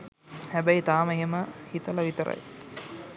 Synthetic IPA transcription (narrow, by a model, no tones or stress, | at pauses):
hæbəjit̪aːmeɦeməhit̪əlɐʋit̪əɾə̰j